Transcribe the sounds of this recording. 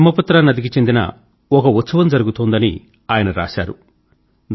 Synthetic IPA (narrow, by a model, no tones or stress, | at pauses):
mːɐpɐt̪ːɾaːnɐd̪ik̬it͡ʃe̞nd̪inɐ̰ | ɔkɐut̪sɐʋɐmd͡ʒɐɾuɡut̪oːnd̪ɐni | aːjɐnɐɾa̰ːʃa̰ːɾu